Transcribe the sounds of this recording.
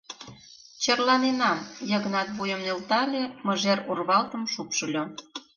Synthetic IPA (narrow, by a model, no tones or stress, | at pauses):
t͡ɕərlɑnenɑmjə̆ɣənɑt̪βujə̆mnʲelt̪ɑlʲeməʒerurβɑlt̪ə̆mʃupʃə̆lʲo